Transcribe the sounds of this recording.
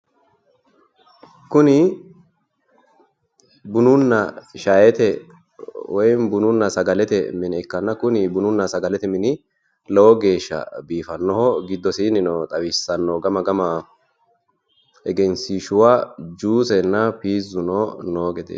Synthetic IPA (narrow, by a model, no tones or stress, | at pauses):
kʊnɪ | bʊnʊnːɐʃajɛt̪ɛ | wɔjnbʊnʊnːɐsɐɡɐlɛt̪ɛmɪnɛkːɐnːɐkʊnɪbʊnʊnːɐsɐɡɐlɛt̪ɛmɪnɪ | lɔwɔɡe̞ːʃːɐ̰biːfɐnːɔhɔɡɪd̪ːɔsinɪnɔt̪ʼɐwɪsːɐnːoɡɐmɐɡɐma | ɛɡɛnsiːʃʊwaːd͡ʒuːsɛnːɐpiːzʊnonoːɡɛd̪ḛː